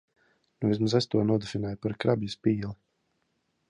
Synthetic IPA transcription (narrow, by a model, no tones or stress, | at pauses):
nuvʲis̬mazasʲt̪uɔnuɔd̪ufinajpaɾkɾabjuspiːlˠi